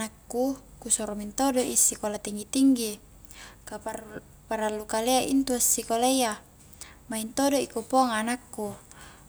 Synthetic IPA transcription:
nakːukusɔɾɔmint̪odoʔisːikolat̪iŋɡit̪iŋɡi | ka | paɾalːukaleaʔḭnt̪uasːikoleja | maint̪odoikupɔŋanakːu

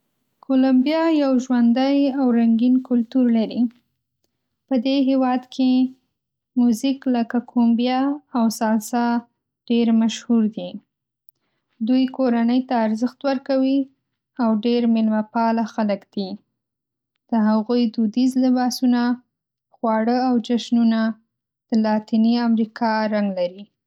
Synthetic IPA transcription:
kʰolambijɑjawʒwand̪əjawɾaŋɡinkʊlt̪uɾlaɾi | pəd̪eɦewɑd̪kʰe | muzikləkakʰombjɑːwsɑlsɑ | ɖ̥eɾmaʃhuɾd̪i | d̪ujkoɾanəjt̪aːɾzəxt̪wəɾkawi | awɖeɾmɪlmapɑlaxaləkd̪̥i | d̪̥əɦaɣujd̪ud̪izlɪbɑsuna | xwɑɽəawd͡ʒaʃnuna | d̪̥əlɑt̪iniamɾikʰɑɾaŋɡlaɾi

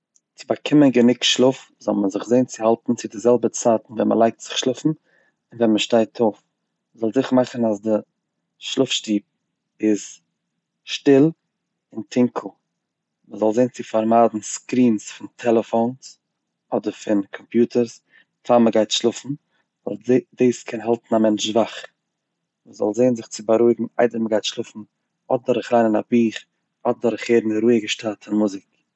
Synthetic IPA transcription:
t͡sɪbakʰɪmənɡənɪkʃlˠʊf | zɔ̰lˠməzɪχzeɪnt͡sɪhalˠtn̩t͡sɪdɪzɛlˠbət͡saːtn̩vɛnmʔə̰lˠaɪk̚tz̥ɪχʃlˠʊfn̩ | ɪnvɛnməʃtaɪtʰoʊf | məzɔlˠzɪχəmaχn̩asdɪ | ʃlˠʊfʃtiːp̚ | ɪz | ʃtɪlˠ | ɪntʰɪŋkʰl̩ˠ | məzɔlˠzeɪnt͡sɪfaɾmaːdn̩skɾiːnsfɪntʰɛlˠəfoʊns | ɔdəɾfɪnkʰɔmpjuːtʰəɾs | faːməɡaɪtʃlˠʊfn̩ | vɔlˠdeːskʰɛnɦalˠtn̩amɛnt͡ʃvaχ | məzɔ̰lˠzeɪnzɪχt͡sɪbaɾuɪɡŋ̩a̰ɪdvɛnməɡaɪtʃlˠʊfn̩ | ɔt̚dɔɾəχɾaɪnɪnabiːχ | ɔt̚dɔɾəχheːɾn̩ɾuɪəɡəʃtatʰɪnmuzɪk

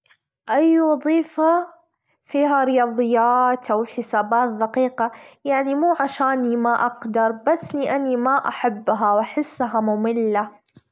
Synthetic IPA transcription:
ʔajwɑðˤiːfa | fiːɦaɾɪjɑːðˤɨjːaːt̪ʔawħɪsaːbaːt̪̚ðaqiːqajaʕnimuːʕaʃaːnimaʔaqd̪ɑɾˤbasːniʔanimaʔaħabːɦawʔaħɪsːɦamʊmɪlːa

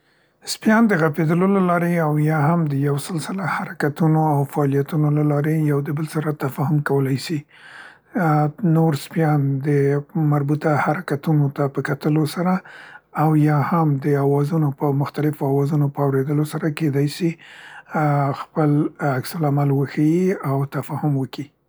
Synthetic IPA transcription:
spjɑnd̪əɣaped̪əlolalɑɾeawjɑhamd̪əjawsɪlsəlahaɾakat̪unoawfaɑlijat̪unolalɑɾejawd̪əbəlsaɾat̪afɑhʊmkawəlajsi | noɾspjɑnd̪əmaɾbut̪ahaɾakat̪unot̪apəkat̪əlosaɾaː | wjɑhamd̪əawɑzunopəmʊxt̪alɪfoawɑzunopəawɾed̪əlosaɾaked̪ɑjsi | xpəlaksalamalwəxajiawt̪afɑhʊmwəki

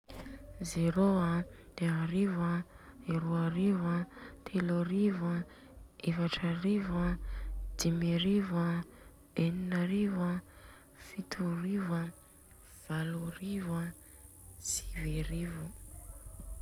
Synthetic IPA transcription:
zeɾoa | d̪̥eaɾivə | iɾuaɾivət̪ʰeloɾivə | evaʈ͡ʂaɾivəd̪̥imeɾivə | eninaɾivə | fit̪ʰuɾivə | v̥aloɾivə | si̥veɾivu

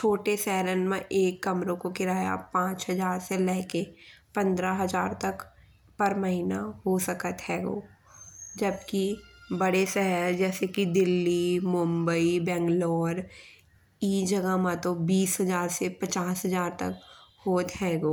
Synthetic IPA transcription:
t͡ʃʰoːʈesɛɦɾənmẽʔeːkːɐmɾõkokɪɾaːja̰pãːt͡ʃɦɐzaːɾselɛɦkepə̃nd̪ɾaɦɐzaːɾt̪ɐk | pɐɾmɐɦiːnaɦosəkət̪ɦɛːɡo̰ː | d͡ʒɐbkibəɽesɛɦəɾd͡ʒɛːsekid̪ɪlːimʊ̃mbəibɛ̃ːŋɡloːɾ | iːd͡ʒɐɡəmat̪obiːsɦɐzaːɾsepət͡ʃaːsɦəzaːɾt̪ɐ̰khoːt̪ɦɛːɡoː

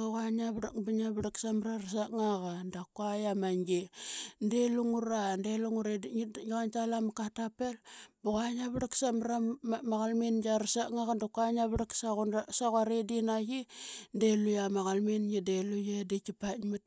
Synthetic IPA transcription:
aɣaɲaβɾakbaɲaβɾaksamɾaras̬aŋaɣandakuajamaŋɡindeluŋuɾandeluŋuɾedɡiɣant͡ʃalamakatapelbuɣaɲaβaɽaksamɾamaɣalmind͡ʒaɾasaŋaɣandakuaɲaβɾaksasaɣaɾedinaɡindelujamaɣalminɡidelujedekipatmat̚

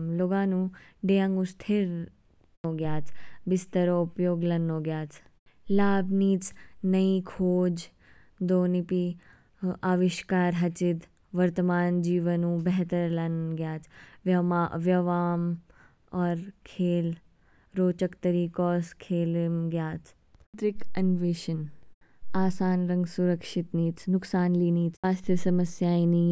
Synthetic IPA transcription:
loːɡãːnũːɖeːə̃ŋɡʊst̪ʰeɾ | oːɡjaːt͡ʃbɪst̪əɾoʊpjoːɡlɐnõːɡjaːt͡ʃ | laːbniːt͡ʃnəikʰoːd͡ʒ | d̪oːnipi | aːʋɪʃkaːɾɦɐt͡ʃɪt̪ | ʋəɾt̪əmaːnd͡ʒiːʋənũːbɛɦt̪əɾlɐnɡjaːt͡ʃʋʋjɐʋaːm | ɔːɾkʰeːl | ɾoːt͡ʃəkt̪ɐɾiːkɔːskʰeːlnɡjaːt͡ʃ | t̪ɾɪkɐnʋeːʃən | aːsaːnɾɐ̃ŋɡsʊɾəkʃɪt̪niːt͡snʊksaːnliːniːt͡saːst̪ʰjəsɐməsjaːini

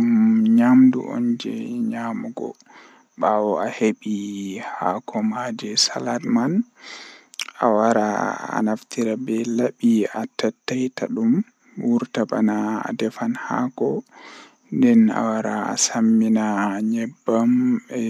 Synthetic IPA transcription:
umɲamdṵʔɔ̰nd͡ʒɛɲamuɡɔ̰ | ɓawɔaheɓihakʰɔmad͡ʒɛsaladman | a̰waɾaa̰naftiɾabɛlaɓiatatːajtaɗum | wuɾtaba̰na̰ːdɛfanha̰kɔ | ndɛna̰waɾa̰ːsamːinaɲɛbːamɛ

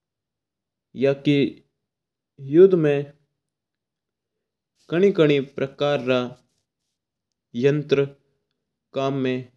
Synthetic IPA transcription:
jaːki | jʊd̪ʱmẽ | kɐɽ̃ikəɽ̃ipɾʔɐkaːɾːa | jɐnt̪ɾə | kaːmːẽ

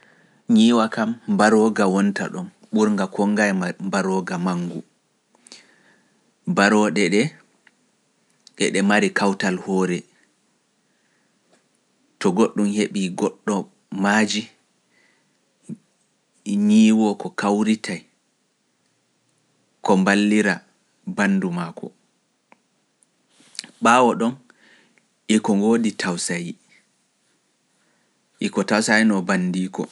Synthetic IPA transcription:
ɲiːwakambaɾɔɡawɔnta̰ɗɔm | ɓuɾŋɡakʰɔŋɡajmbaɾɔɡamaŋɡu | baɾɔɗɛɗɛ | ɗɛ̰ɗɛmaɾikawtalhɔːɾɛ | tɔɡoɗːumheɓiɡɔɗːɔ | mad͡ʒi | ɲiːwɔkɔkawɾitʰaj | kɔmbalːiɾa | banːdumaːkʰɔ̰ | ɓawɔɗɔn | ʔikɔŋɡoːditʰawsaji | ʔikɔtawsajnɔbandiːkɔ̰

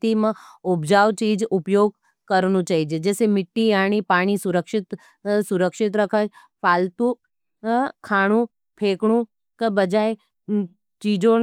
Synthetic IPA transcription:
t̪imə̃ʊpd͡ʒaːʋt͡ʃiːd͡ʒʊpjoːɡ̚ | kɐɾnũt͡ʃaːɦid͡ʒed͡ʒɛːsemɪʈːijaːɽ̃ipaːɽ̃isʊɾəkʃɪt̪ | sʊɾəkʃɪt̪ɾɐkʰat͡ʃ | pʰaːlt̪ũ | kʰaːɽ̃ũ | pʰeːkɽũ | kabɐd͡ʒaːe | t͡ʃiːd͡ʒõ

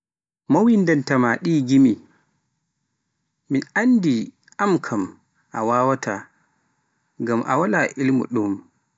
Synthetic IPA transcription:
mawindantamaɗiːɡimi | minʔandi | ʔamkʰam | ʔawaːwata | ɡamʔa̰walaʔilmṵɗum

